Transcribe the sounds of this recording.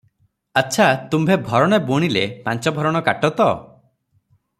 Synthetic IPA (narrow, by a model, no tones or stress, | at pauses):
aːʃʰat̪umbʱebʱɔɾɔɽ̃eboɽ̃ilepant͡ʃɔbʱɔɾɔɽ̃ɔkaʈɔt̪ɔ